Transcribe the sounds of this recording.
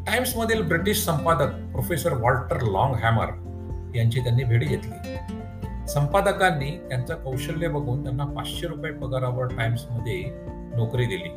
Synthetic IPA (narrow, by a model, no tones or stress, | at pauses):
ʈaimsməd̪ʱːjeːlbɾiʈiɕsəmpad̪ək̚pɾofesəɾʋɔlʈəɾlɔ̃ŋɡɦæmə̰ɾ | jaɲt͡ɕiːt̪janːiːbʱeɽiːɡet̪lḭː | səmpad̪əkanːiːt̪jant͡sakəwɕəlːebəɡʱuːnt̪janːapat͡sɕeɾupjepəɡaɾaʋəɽʈajmsməd̪ʱːje | nokɾiːd̪ilḭː